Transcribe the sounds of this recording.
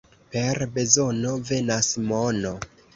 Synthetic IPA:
pe̞ɾbe̞zo̞no̞ve̞nasmono̞

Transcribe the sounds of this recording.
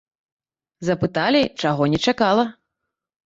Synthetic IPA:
zɐpɨt̪alʲit͡ʂaɣɔnʲɛt͡ʂakalˠɐ

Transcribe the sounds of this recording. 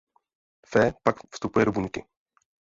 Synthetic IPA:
fɛːpakfst̪upujɛdobuɲkɪ

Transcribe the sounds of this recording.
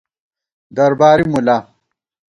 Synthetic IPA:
d̪ɐɾbaːɾimula

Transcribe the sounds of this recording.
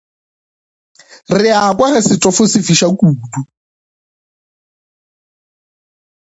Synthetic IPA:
rɪakʼwaɣɛsɪtʼɔfʊsɪfiʃakʼuːdu

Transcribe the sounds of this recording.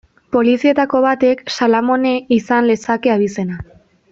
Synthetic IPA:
po̞lisie̞t̪ako̞β̞at̪e̞ksalamo̞ne̞isanle̞sake̞aβise̞na

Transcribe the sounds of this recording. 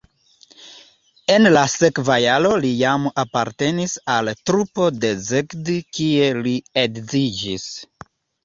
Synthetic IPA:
e̞nlase̞kvajalo̞lijamapaɾte̞nisaltɾupo̞de̞zekdkie̞lieɡzid͡ʒis

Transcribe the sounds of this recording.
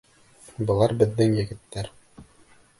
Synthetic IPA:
bɤ̆lˠɑɾbɘ̆ðːɘŋjɘ̆ɡɘ̆t̪ːæɾ

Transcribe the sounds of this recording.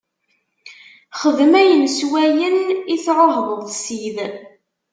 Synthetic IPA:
χəðmæjənswæjəniθɾoɦðˤəðˤsið

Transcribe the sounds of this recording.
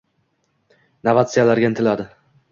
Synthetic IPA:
navat̪sijalaɾɡʲant̪ʰɪlad̪ɪ

